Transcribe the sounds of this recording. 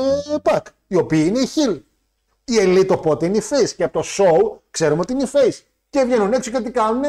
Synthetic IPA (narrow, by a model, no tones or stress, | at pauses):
epɐk | io̞piːineiçil | ielit̪opot̪eineifesceɐpot̪o̞soukse̞ɾumeo̞t̪iineifes | ce̞vʝe̞nune̞t͡socet̪̬ikɐnune